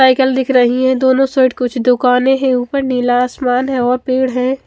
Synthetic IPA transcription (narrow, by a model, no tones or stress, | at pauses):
aːɪkəld̪ɪkʰɾəɦiɦɛ̃d̪oːnõseːʈkʊt͡ʃʰd̪ʊkaːnẽɦẽuːpəɾniːlaːsmaːnɦɛ̃ɔːɾpeːɽɦɛ̃ː